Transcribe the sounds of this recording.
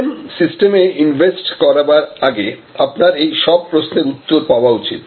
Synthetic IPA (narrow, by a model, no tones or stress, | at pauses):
msisʈemeinvʱesʈkɔɾabaɾaɡeapnaɾejʃɔb̚pːɾosneɾut̪ːoɾpaoaut͡ɕḭt̪